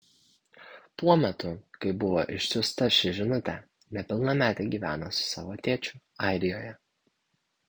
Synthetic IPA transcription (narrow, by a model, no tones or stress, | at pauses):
puɔmʲɛt̪ʊkɐɪbʊʋoːʔɪʃʲsʲʊst̪ɐʃʲɪʒʲɪnʊt̪ʲɛ | nʲɛpʲɪlˠnɐmʲæːt̪ʲɛɪɡʲiːʋʲæːnosʊ̥sɑ̰ːʋoːt̪ʲeːt͡ʃʲʊ | ɑˑɪɾʲɪjoːjɛ